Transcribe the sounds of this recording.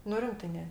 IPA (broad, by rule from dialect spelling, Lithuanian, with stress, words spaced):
nʊ ˈrʲɪmtɜ ˈnʲɛ